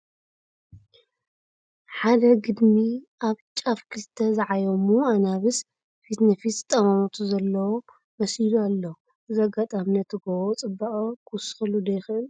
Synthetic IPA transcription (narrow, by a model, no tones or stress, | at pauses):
ħad̪ɐɡɨd̪miʔaβt͡ʃʼafkʰɨst̪ʰːɐzɨʕajomuanaβɨs | fit̪nɨfist̪ʼɐmɐmut̪ʰuzɐlːɐwo | mɐsilualːɐ | zɐɡat̪ʼamnɐt̪ʰɨɡɐwot͡sʼɨbːaχʼɐkʰusxɨlud̪ɐjxɨʔɨl